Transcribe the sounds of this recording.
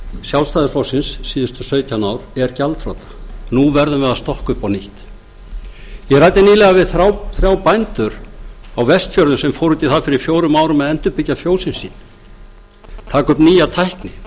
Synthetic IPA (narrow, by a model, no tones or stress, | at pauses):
sjawlst̪aːðɪɾflaːwsɪnsːiːðʏst̪ʏ̥sœːɥt̪ʰawnawɾɛɾcalt̪ʰɾo̰ːt̪ḁnuvɛɾðʏmvɛðast̪ɔhkʏpawniht̪ | jɛɣrajt̪ɪniːlɛɣavɪðθawθɾjaːwpajnt̪ʏɾawvɛst̪fjœɾðʏsɛmfowɾʏt̪iθafɪɾɪɾfjoːwɾʏmaːwɾʏmaðɛnt̪ʏpɪcːafjoːwsɪnsːiːn | t̪ʰaːkʏpniːjat̪ʰajhknɪ